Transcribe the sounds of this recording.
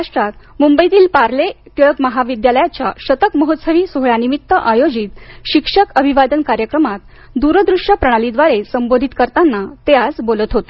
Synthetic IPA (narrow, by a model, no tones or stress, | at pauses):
aʂʈɾat̪mumbəit̪iːlpaɾlet̪əɭkməɦaʋid̪jaləjat͡ɕjaɕət̪əkməɦot̪səʋiːsoɦɭanimit̪ːəʔajod͡ʑit̪ɕikʂəkəbʱiʋad̪ənkaɾjəkɾəmat̪ | d̪uɾəd̪ɾuʂjəpɾəɽ̃alid̪ʋaɾesəmbod̪ʱit̪kəɾt̪anːat̪ead͡zbolət̪ɦot̪e